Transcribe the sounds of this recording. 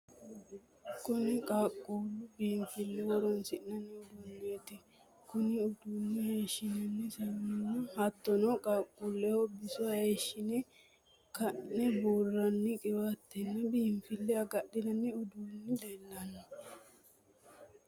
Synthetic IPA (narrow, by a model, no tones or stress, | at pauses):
kʊnɪkʼaːkʼːuːlːʊbiːmfɪlːɛwɔɾɔnsɪʔnɐnːɪʊd̪uːnːeːt̪ɪ | kʊnɪʊd̪uːnːɪheːʃːɪnɐnːɪsɐmːɪnːɐhɐt̪ːɔnɔkʼaːkʼːuːlːɛhobɪsʊahe̞ːʃːɪnɛ | kɐnːɛbuːrːɐnːɪkʼɪwat̪ːɛnːɐbiːmfɪlːɛɐɡɐɗɪnɐnːɪʊd̪uːnːɪleːlːɐnːɐ